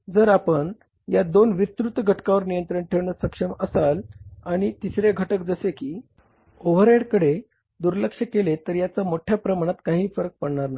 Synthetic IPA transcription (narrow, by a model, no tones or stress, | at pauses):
d͡zəɾapəɳ | jad̪onʋit̪ɾut̪ɡʱəʈkaʋəɾnijənt̪ɾəɳʈʰeʋɳəsəkʂəməsalaɽ̃it̪isɾeɡʱəʈək̚d͡zəsekiː | oʋ̤əɾeɽkəɽe | d̪uɾləkʂəkelet̪əɾjat͡samoʈʰjapɾəmaɽ̃at̪kaɦiːfəɾək̚pəɽɳaɾnaj